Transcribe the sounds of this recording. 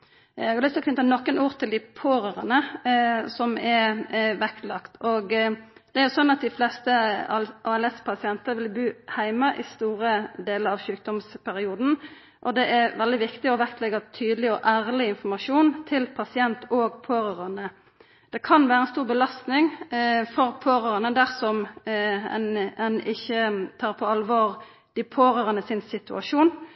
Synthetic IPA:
ɛɡɑlʏt̪lɔkʰnɪt̪ːɑnɔkːənuːʁt̪ʰɪld̪ɪpʰoːɾəʁənə | sɔmɛɾʋɛkt̪lɑkt̪ʰoɡd̪̥ɛæɾjʊsɔnːɑt̪̚d̪ɪflɛst̪əʔɑːɛlɛspʰɑsɪɛnt̪əʋɪlbʉːhæɪməʔɪst̪uːɾəd̪eːləɾɑʋʃʉːk̚d̪ɔmspʰæɾɪuːd̪n̩ | ʔɔd̪ɛʔɛɾʋɛld̪ɪʋɪkt̪ɪɔʋækt̪lɛɡɑt̪ʰyːd̪lɪɔʔæːʁlɪɪnfɔmɑʂuːnt̪ʰɪlpʰɑsɪɛnt̪ʰoːɡpʰoːɾɑʁɑnə | d̪̥ɛkʰɑnʋæːɾəɛnst̪uːʁbəlɑst̪nɪŋfɔɾpʰoːɾɑʁənəd̪æʁsɔm | ɛ̰nɛnɪçːət̪ʰɑːɾpʰɔɑlʋoːʁ | d̪̥ɪpʰoːɾøːʁənəsɪnsɪt̪ʉʔɑʂuːn

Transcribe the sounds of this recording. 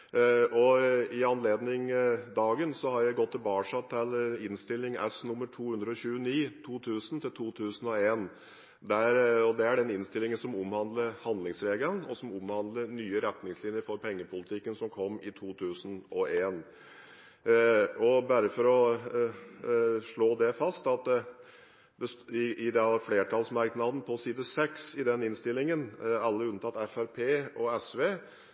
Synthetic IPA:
ʔɔɪɑnleːd̪nɪŋd̪ɑːɡənsɔhɑɾjæɪɡɔt̪ʰːɪlbɑːʂɑt̪ʰːɪlɪnst̪ɪlːɪŋɛ̰snʊmːəʈʰuːhʉnd̪ɾəɔɕʉːəniːt̪ʰuːt̪ʰʉːsənt̪ʰɪlt̪ʰuːt̪ʰʉːsn̩ɔeːn | d̪æɾɔd̪ɛæɖɛnɪnst̪ɪlɪŋənsɔmʊmhɑnd̪ləɾhɑnd̪lɪŋsɾeːɡlənɔ̰sɔmʊmhɑnd̪ləɾnyːəɾɛt̪nɪŋslɪnjəɾfɔɾpʰɛŋːəpʰʊlɪt̪ʰɪkːənsɔmkʰɔmːɪt̪ʰuːt̪ʰʉːsən̩ɔeːn | ɔbæɾəfɔɾɔ | ʂɭoːd̪ɛfɑst̪ɑt̪d | d̪ɛsɪʔɪd̪ɛfleːʈʰɑlsmɑɾknɑd̪n̩pʰɔsiːd̪əsɛksɪd̪ɛnɪnst̪ɪlːɪŋənɑlːəʉnt̪ɑt̪ːɛfæɾpʰeːɔɛsʋeː

